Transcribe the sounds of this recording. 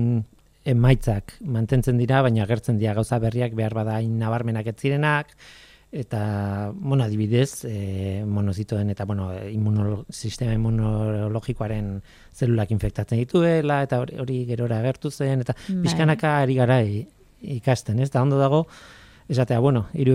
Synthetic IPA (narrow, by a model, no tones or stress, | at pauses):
e̞majt͡sakmant̪e̞nt͡se̞nd̪iɾaβ̞ajɲaːɣ̞e̞ɾt͡se̞nd̪iɾaɣawsaβe̞riakbe̞aɾβaðanːaβ̞aɾme̞nake̞t͡siɾe̞nak | e̞t̪amo̞naðiβ̞iðe̞s | mo̞nosit̪ue̞ne̞t̪aβweno̞imunosist̪e̞maimunolo̞ɣiko̞aɾe̞n | se̞lulakiɱfe̞k̚t̪at͡send̪it̪ue̞lae̞t̪ao̞ɾiɣe̞ɾo̞ɾaːɣ̞e̞ɾt̪use̞ne̞t̪apiʃkanakaɾiɣ̞aɾa | ikast̪e̞ne̞st̪ao̞nd̪o̞ð̞aɣ̞o̞ | e̞sat̪e̞aβweno̞iɾu